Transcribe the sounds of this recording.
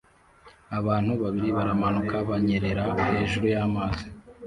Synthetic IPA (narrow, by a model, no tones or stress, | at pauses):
aβaːn̥huβaβiɾiβaɾamanukaβaɲe̞ɾe̞ɾahe̞ːʒuɾujaːmaːzi̥